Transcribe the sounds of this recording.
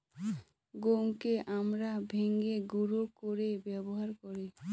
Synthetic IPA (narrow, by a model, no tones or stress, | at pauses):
ɡoŋkeʔamɾabʱeŋɡeɡuɾokoɾebɛboɦaɾkoɾe